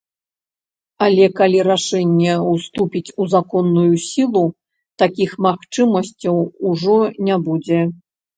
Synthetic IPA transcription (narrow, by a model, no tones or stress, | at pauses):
alʲɛkalʲiɾaʂɛnʲːɛwst̪upʲit͡sʲuzakɔnːujusʲilˠu | t̪akʲixmaxt͡ʂɨmɐsʲt͡sʲɐwuʐɔnʲabud͡zʲɛ